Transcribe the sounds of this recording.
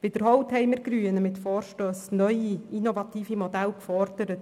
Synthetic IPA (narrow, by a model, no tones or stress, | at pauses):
v̥ɪd̥əɾhɔwthɛɪməɾɡɾyːənəmɪtfɔːɾʃtøːsnœʏiinovɑt̪iːfimodælkfɔɾd̥əɾət